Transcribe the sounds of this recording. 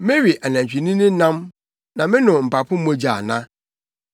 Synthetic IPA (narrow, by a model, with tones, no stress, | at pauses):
mɪ̃˦ɥi˨ʔa˨næ̃˨t͡ɕᶣi˨nɪ̃˦nɪ̃˦nã˦m | nã˨mɪ̃˦nʊ̃˨m̩˨pa˨pʰʊ̃˦mõ˦d͡ʑa˨nã̰˦